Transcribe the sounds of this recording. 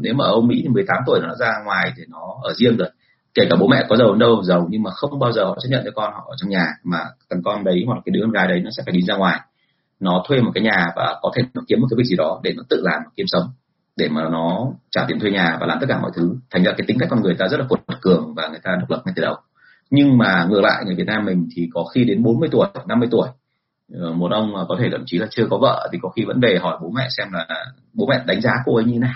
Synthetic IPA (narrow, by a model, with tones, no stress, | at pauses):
ne˨˦wmaː˨˩ʔə˧wŋ͡mmḭ˧˥t̪i˨˩mɨ˨˩əjt̪aː˨˦mt̪̬u˧˩əjɔ˨˦ɗ̰ːzaː˧ŋwaː˨˩jt̪ʰi˨˩nɔ˨˦ʔəː˧˩zi˧əŋzo˨˩j | ke˧˩kaː˧˩ɓo̰˧˥mɛ̰˧˨kɔ˨˦zə˨˩wə˨˦nɗə˧wzə˨˩wɲɨ˧ŋmaː˨˩xə˧wŋ͡mɓaː˧wzəː˨˩hɔ̰˧˨t͡ɕə˦˥t̚ɲə̰˧˨nt͡ɕɔ˧kɔ˧nhɔ̰˧˨ʔəː˧˩t͡ɕɔ˧wŋ͡mɲaː˨˩maː˨˩k̪a˨˩ŋkɔ˧nɗə˨˦jmɔ̰˧˨˩kaː˨˦ɗɨ˨˦ə˧ŋɣaː˨˦jɗə˨˦jnɔ˨˦sɛ̰˧˥faː˧˩ɗi˨˦nzaː˧ŋwaː˨˩j | nɔ˨˦t̪ʰwe˧mɔ˨˩kaː˨˦jɲaː˨˩va̰ː˨˩kɔ˨˦t̪ʰe˧˩˨nɔ˨˦ki˨˦əmo˨˩kːaː˨˦˩zi˨˩ɗɔ˨˦ɗe˧˩nɔ˨˦t̪ɨ̰˧˨laː˨˩mɔ˨˩ki˨˧˦əmsə˨˦wŋ͡m | ɗe˧˩maː˨˩nɔ˨˦t͡ɕaː˧˩t̪i˨˩ənt̪we˧ɲaː˨˩vaː˨˩laː˨˩mt̪̚kaː˧˩mɔ̰˧˨jt̪ʰɨ˨˦t̪ʰa˨˩ŋ̟zaː˧˩kaː˨˦t̪ï˨˦kkɔ˧nŋɨ˨˩əjt̪aː˧zə˦˥t̚laː˨˩u˧˩˨t̚kɨ˨˩əŋvaː˨˩ŋɨ˨˩jt̪aː˧ɗə˨˩wk͡plə˨˩p̚ŋa˧jt̪i˧˩ɗə˨˩w | ɲɨ˧ŋmaː˨˩ŋɨ˨˧˩əla̰ː˧˨jŋɨ˨˩jvi˨˩ət̚naː˧mːï˨˩ŋ̟t̪ʰi˨˩kɔ˨˦xi˧ɗe˨˦nɓo˨˦nmɨ˧jt̪u˧˩əjna˧mːɨ˧əjt̪u˧˩əj | mo˨˩t̚ʔə˧wŋ͡mːkɔ˨˦t̪ʰe˧˩t̪ə˧˩mt͡ɕi˨˦laː˨˩t͡ɕɨ˧əkɔ˨˦və̰ː˧˨t̪ʰi˨˩kɔ˨˦xi˧və̰˧˥nve˨˩ɦɔ˧˩jɓo˨˦mɛ̰˧˨sɛ˧mlaː˨˩ | ɓo˨˦mɛ̰˧˨ɗa˨˦ŋ̟zaː˨˦ku˧˩ʔə˨˦jɲɨ˧e˧˦na˨˩j